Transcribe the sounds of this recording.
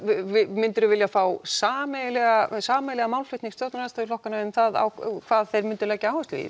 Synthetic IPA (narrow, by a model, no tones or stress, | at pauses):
vɪmɪnt̪ʏɾʏvɪljafaːwsaːmɛlɛɣasaːmɛjlɛɣamaːwlflʏht̪niŋst̪jowt̪nɾast̪aðɪlɔhkanaʏmθaða̰wkʰv̥aːðθejɾmɪnt̪ʏlɛːjcɪaːwɛst̪vḭð